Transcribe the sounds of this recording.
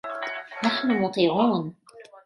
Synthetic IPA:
naħnʊwɑq̪iːʕuːn

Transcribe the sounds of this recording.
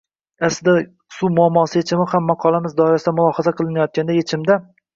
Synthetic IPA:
asd̪a | sumʊamːɒsɪjet͡ʃʰɪmɪhamːɑqʰɒlˠamɪzd̪ɒɪɾasɪd̪amʊlˠɒhazaqʰɨlˠɪnajɒt̪̚kʲand̪ajet͡ʃʰɪmd̪a

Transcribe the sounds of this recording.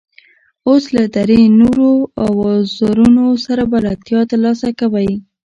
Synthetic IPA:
oslad̪aɾenoɾoawɑzɑɾunosaɾabalat̪jɑt̪alɑsakawaj

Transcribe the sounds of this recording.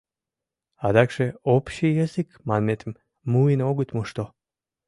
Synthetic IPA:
ad̪akʃɛopʃijɛzikmanmet̪ʰm | muinoɡut̪muʃt̪o

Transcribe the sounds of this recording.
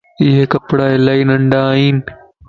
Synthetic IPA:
ɪɦekɐpɽaːɪlaːiːnɐ̃ɳɖaːɦiːnɪ̆

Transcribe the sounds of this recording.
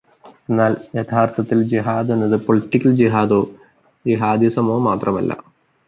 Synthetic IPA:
e̞nːaːljet̪ʰaːrt̪ʰɐt̪ːild͡ʑiɦaːd̪enːɐðɨpoɭiʈːikʲːɐld͡ʑiɦaːd̪oː | d͡ʑiɦaːd̪isɐmoːmaːt̪rɐmɐ̰lːɐ̰

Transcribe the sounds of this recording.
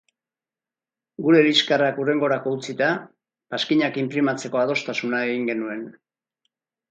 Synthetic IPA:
ɡuɾe̞ɾiskarakure̞ŋɡo̞ɾako̞ut͡sit̪a | paskiɲakimpɾimat͡se̞ko̞að̞o̞st̪asunae̞ɣiŋɡe̞nue̞n

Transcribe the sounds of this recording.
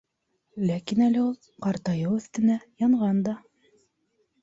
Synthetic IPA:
lækinælɘulˠ | qɑɾt̪ɑjɤɵ̆θt̪ɘ̆næjɑɴʁɑnd̪ɑ

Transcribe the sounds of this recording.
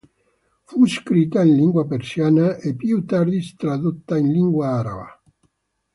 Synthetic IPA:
fuskɾit̪ainliŋɡwapeɾsjanaʔepjut̪aɾd̪ist̪ɾaðut̪ːainliŋɡwaaɾa̰βa̰

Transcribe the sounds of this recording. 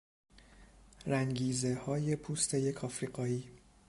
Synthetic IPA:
ɾæŋɟiːze̞hɒːje̞pʰuːst̪ʰeje̞kʰɒːfɾiːɢɒːiː

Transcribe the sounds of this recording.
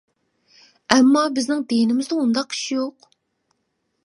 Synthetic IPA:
ɛmːɑbɪznɪŋd̪ejnɪmɪzd̪ɪund̪ɑqi̥ʃjoq

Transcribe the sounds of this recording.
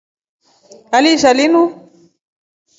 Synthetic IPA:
alisalinu

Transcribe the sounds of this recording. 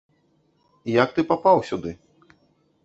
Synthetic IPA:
ijak̚t̪ɨpapawsʲud̪ɨ

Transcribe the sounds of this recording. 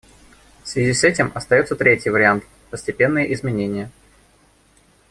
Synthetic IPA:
fsvʲɪzʲisɛtʲɪmʔɐst̪ɐjot̪sət̪ɾʲetʲjɪjvəɾʲɪant̪ | pəsʲtʲɪpʲe̞nːɨjəʔɪzmʲɪnʲenʲɪjə

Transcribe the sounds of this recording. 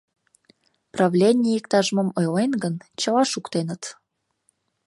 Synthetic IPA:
prɑvlʲenʲijikt̪ɑʒəmɤmojlenɡənt͡ɕəlɑʃukt̪enə̆t̪

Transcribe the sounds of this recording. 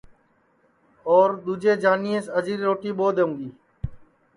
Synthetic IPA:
ɔːɾd̪uːd͡ʒeːd͡ʒaːniẽːsəd͡ʒiːɾɾoːʈiːɓoːd̪eːũːɡiː

